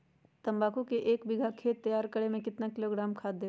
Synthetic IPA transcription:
t̪ɐ̃mbaːkukeʔeːkbɪɡʱakʰeːt̪ːɐjaːɾkɐɽemẽkɪt̪nakɪloːɡɾaːmkʰaːd̪eː

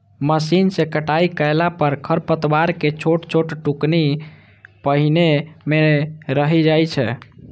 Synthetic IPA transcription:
məsinsekəʈaikəjlapəɾkʰəɾpət̪waɾket͡ʃʰoʈt͡ʃʰoʈʈukni | pəɦinemeɾəɦid͡ʒajt͡ʃʰɛ̰

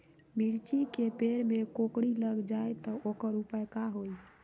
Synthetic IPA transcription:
miɽt͡ʃikepeɽmekokɽiləɡd͡ʒajt̪ɔokəɾupajkaɦoj

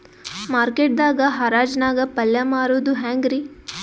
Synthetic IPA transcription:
maːɾkeːʈ̚d̪aːɡɐɦɐɾaːd͡ʒnaːɡɐpɐljɐmaːɾoːd̪uɦæːŋɡɾi

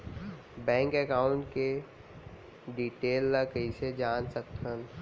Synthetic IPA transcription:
bɛ̃ːŋkɛkaːʊɳʈke | ɖiːʈeːlːakəised͡ʒaːnsək̚t̪ɦən

